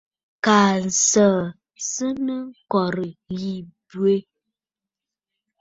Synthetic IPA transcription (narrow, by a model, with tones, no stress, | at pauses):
kaː˨n˨sə˨ | sə˦nə˦kɔ˨ɾə˨ji˨bɥe˦